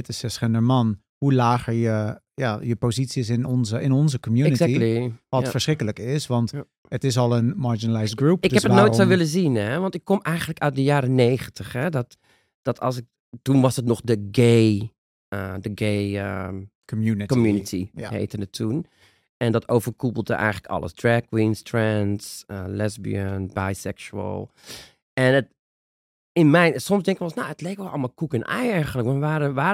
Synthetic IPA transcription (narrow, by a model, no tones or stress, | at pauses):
ɪtɪsɛsχɪndəɹmɑn | hulaːχəɹjə | jajəpozitsis̬ɪnɔnzəɪnɔnzəkɔmjunətaiiʋɔtfəɹsrɪkələkɪsʋɑnt | ətɪs̬ɔlˠənmaɹd͡ʒinəlajsɡrup̚ɪkdhɛpənoːjtssowʋɪləzinɛʋɑntɪkːɔmɛjχəntləkœɥt̚dəjaːɾəneːχəntəχhɛdɔt | d̥ɔtʰɑ̰lˠsɪk̚ | tunʋɑsətnɔχdəɡej | ədəɡeːə | kɔmjunitʰiɦḛtənətʰːun | ɛndɔtowvərkupl̩ˠdə̰ʔɛ̰jχələkɑ̰lˠə̰sdrɛɡ̚winstrɛntsəlɛzbḭənbajsɛkʃuə̰lˠ | ɛnət | ɪnmɛjnsɔmsdɛŋkəkɔlˠsnoətleːkʋɛlˠɑ̰lˠmalˠkukənʔa̰jɛrχənləkʋɔnʋaəʋaː